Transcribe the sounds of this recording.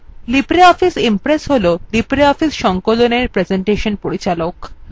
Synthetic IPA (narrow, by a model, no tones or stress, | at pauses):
lipɾeɔfisimpɾesɦololipɾeɔfisʃɔŋkoloneɾpɾed͡ʑeɳʈeʃonpoɾit͡ɕalok